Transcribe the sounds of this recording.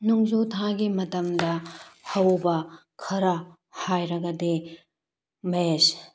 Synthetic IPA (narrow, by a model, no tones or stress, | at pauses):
nuŋzotʰãɡimɐtɐmdɐhɐwbɐkʰɐɾɐ | hajɾɐɡɐde | mɐes